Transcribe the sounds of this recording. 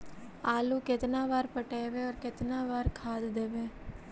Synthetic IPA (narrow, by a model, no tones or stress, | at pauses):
aːluːkɪt̪nãːʋaːɾpəʈeːʋeːɔːɾkɪt̪nãːʋaːɾkʰaːd̪d̪eːʋeː